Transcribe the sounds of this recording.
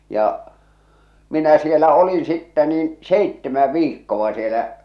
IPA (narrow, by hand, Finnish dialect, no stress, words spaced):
jɑ minæ sielæ olin sitːɛ niːn seitːemæ ʋiːkːoʋ̆ɑ sielæ